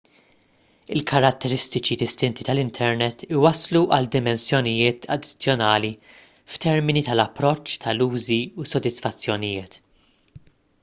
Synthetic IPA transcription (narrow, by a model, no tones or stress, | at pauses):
ɪlkʰɐɾɐt̪ːɛɾɪst̪ɪt͡ʃid̪ɪst̪ɪnt̪it̪ɐlɪnt̪ʰɛɾnɛt̪ːɪwɐsluʔɐld̪ɪmɛnsjɔnɪjɪːt̪ʰɐ̰d̪ːɪ̥t͡sːjɔnɐːli | ft̪ɛɾmɪnit̪ɐlɐpːɾɔt͡ʃːt̪ʰɐluːziusɔd̪ɪsfɐt͡sːjɔnɪjɪːt̪